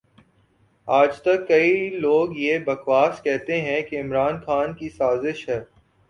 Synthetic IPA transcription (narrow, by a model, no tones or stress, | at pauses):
aːd͡ʒt̪ɐkːɐiloːɡjebɐxʋaːskɛɦt̪eɦɛ̃keɪmɾaːnxaːnkisaːzɪʃɦɛː